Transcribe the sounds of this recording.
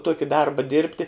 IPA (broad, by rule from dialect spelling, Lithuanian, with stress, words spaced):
ˈtuɔkʲɪ ˈdɐrbɐ ˈdʲɪrʲpʲtʲɪ